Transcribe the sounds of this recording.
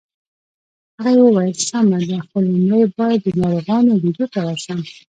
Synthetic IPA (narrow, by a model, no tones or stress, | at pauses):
haɣajewəwɑjəlsamad̪axpəlnɽəjbɑjad̪ːənɑɾoɣɑnobid̪ot̪awasam